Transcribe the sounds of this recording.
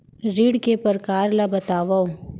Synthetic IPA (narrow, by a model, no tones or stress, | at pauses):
ɾiːɽkepəɾkaːɾlabɐt̪aːʋao